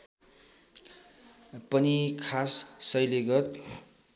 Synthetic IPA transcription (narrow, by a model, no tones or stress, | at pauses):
pʌnikʰasːʌjleɡʌt̪̚